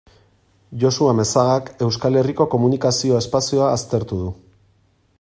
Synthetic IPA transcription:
ʝo̞suame̞saɣake̞wskale̞riko̞ko̞munikasio̞e̞spasio̞aːst̪e̞ɾt̪uðu

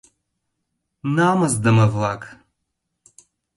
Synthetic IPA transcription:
naːmɐzdɐmɐvlˠakʼ

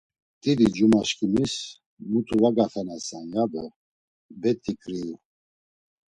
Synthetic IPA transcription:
t̪ʼid̪id͡ʒumaʃkʰʼimis | mut̪ʰuvaɡat̪ʰanasaŋɡab̪ə | bɛt̪ʼʰikʼɾil

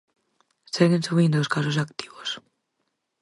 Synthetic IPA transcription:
seɣensuβĩnd̪oskas̬osak̚t̪i̥βos

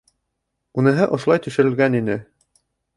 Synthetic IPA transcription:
unɤ̆ɦɤʔŏʃlˠɑjt̪ɵ̆ʃɘ̆ɾɘ̆lɡæninɘ

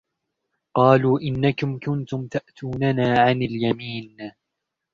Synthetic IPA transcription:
qɑːluːʔɪnːakʊmkʊnt̪ʊmt̪aʔt̪ʰuːnanaːʕanaljamiːn

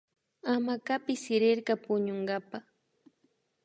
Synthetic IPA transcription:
amakapɪsɪɾɪɾɢɑpʊɲoɴɢapaχ

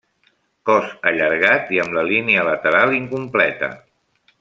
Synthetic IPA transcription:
kɔsəʎəɾɣ̞at̪iəmləliniələt̪əɾalˠiŋkumplɛt̪ə̰

